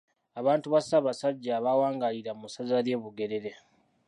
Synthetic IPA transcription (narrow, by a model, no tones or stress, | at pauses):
aβaːntuβasaːβasaɟːaːβawaːŋɡaliɾamusazaleːβuɡe̞ɾe̞ɾe̞